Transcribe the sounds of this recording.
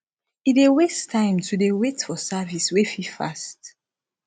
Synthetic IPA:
idewestʰãɪ̃mtʰudewetfɔsaviswefifa̰st

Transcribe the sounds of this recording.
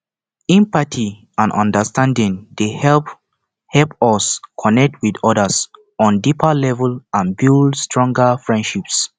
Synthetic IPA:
ĩmpatʰi | ãnʔɔ̰̃ndəstãndĩŋdehɛlp | hɛlpɔskʰɔnɛk̚t̚ʰwidɔdəs | ɔ̃ndipʰəlɛvəlãnbildstɹɔ̃ŋɡəfɹɛ̃ndʃips

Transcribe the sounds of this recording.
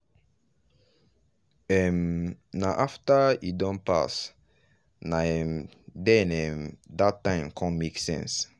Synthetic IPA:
ɛ̃mnaʔaftaidɔ̃npa̰s | naɛm | dɛ̃nɛ̃mdatːãɪ̃mkʰɔ̃nmeksɛ̰̃ns

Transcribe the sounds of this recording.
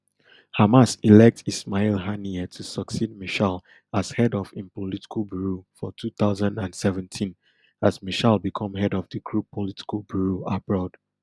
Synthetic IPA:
hamasilɛk̚tismalˠɦaniɛtʰusəksid̚miʃal | az̥hɛdɔfĩnpɔliti̥kʰəlˠbuɹufɔtʰuθaʊzãndãndsɛvə̃ntʰĩn | azmiʃalˠbikʰɔ̃mɦɛdɔvdikʰɹupʰoliti̥kəlbuɹuabɹɔd̥

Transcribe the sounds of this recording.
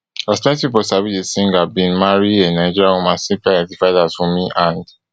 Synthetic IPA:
astɛ̃tspip̬ɔsavidesĩŋɡabĩnmaɹiãnːaɪd͡ʒiɹãomãsĩmpliɡɛtifaɪdazfɔmiʔãnd

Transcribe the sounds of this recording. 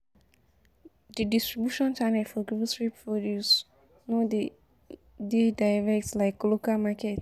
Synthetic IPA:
didistɹibjuʃɔ̃nt͡ʃanɛfɔɡuvsɹipfɔdus | node | dedaɪɹɛk̚tslaɪkːɔlokalmakʰɛt

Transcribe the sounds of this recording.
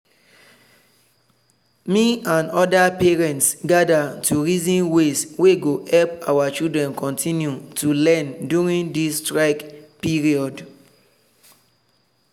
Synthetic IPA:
miãnɔdapɛɹɛ̃ntsɡadatʰuɹizĩnwesweɡohɛlpawat͡ʃildɹɛ̃nkʰɔ̃ntʰĩnjutulɛ̃ndjuɹĩŋdistɹaɪkpiɹiɔd

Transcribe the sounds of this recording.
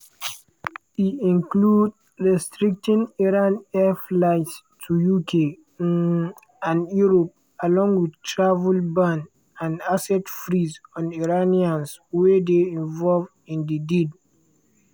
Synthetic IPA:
itĩnklud | ɹɛstɹik̚tĩniɹãnɛflaɪts | tʰujukʰe | ãnjuɹop̚ | alɔ̃ŋɡwidtʰɹavulbãn | ãnasɛtfɹizɔ̃niɹaniãnswedeĩnvɔlvdĩndidid

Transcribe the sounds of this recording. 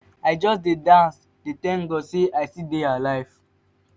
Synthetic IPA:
aɪd͡ʒɔsdedãns | detɛ̃ŋɡɔseʔaɪsidealaɪv

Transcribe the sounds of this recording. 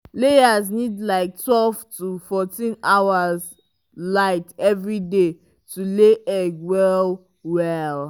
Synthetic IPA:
lejaznidlaɪk̚twɛlvtufɔtĩnaʊaz | laɪtɛvɹide | tʰuleʔɛɡwɛl | wɛl

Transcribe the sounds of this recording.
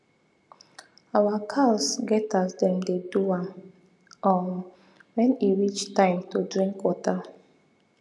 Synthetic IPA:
awakʰalsɡɛtasdɛ̃mdedua | ɔ | wɛ̃niɹit͡ʃtãɪ̃mtodɹĩŋkwɔta

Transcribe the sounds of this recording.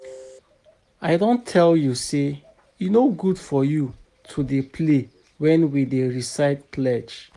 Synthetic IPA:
aɪdõntʰɛljuse | junoɡudfɔju | tʰudepʰle | wɛ̃nwideɹisaɪt̚plɛt͡ʃ

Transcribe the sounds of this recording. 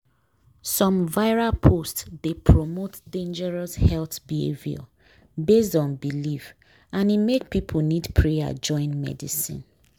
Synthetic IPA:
sɔ̃mvaɪɹalpʰostsdepʰɹɔmotdẽnd͡ʒɛɹɔshɛlθbihḛvja̰ | bes̬dɔ̃nbiliv | ãnimek̚pipʰl̩nidpʰɹea̰d͡ʒɔ̃ɪ̃nmɛ̰dḭsḭ̃n

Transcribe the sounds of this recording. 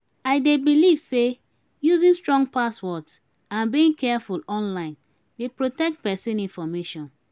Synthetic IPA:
aɪdebilivse | juzĩnstɹɔ̃ŋɡpaswɔts | ãnbiĩŋkʰɛfulɔ̃nlãɪ̃n | depɹotɛk̚t̚pɛsɛ̃nĩnfɔmeʃɔ̃n

